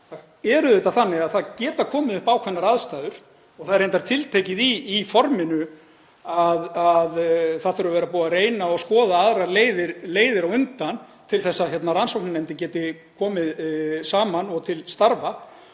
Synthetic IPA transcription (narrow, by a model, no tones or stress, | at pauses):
θa | ɛɾʏðejt̪aθanːɪɣaðθaðcɛːt̪akʰɔːmɪðʏhpawkʰvɛnːaɾaðst̪aːðʏɾ̥ | ɔɣθaðɾejnt̪aɾt̪ʰɪlt̪ʰejcɪðiːfɔɾmɪnʏ | aðaðθaðθʏɾʏavɛːɾapuːaðreːjnaɔɣskɔːðaaðɾaleːjðɪɾleːjðɪɾawʏnt̪an | t̪ʰɪlθɛsːaçɛt̪naɾansowk̚nanɛmt̪ɪcɛːt̪ɪ | kʰɔːmɪðsaːmanɔɣt̪ʰɪlst̪aɾva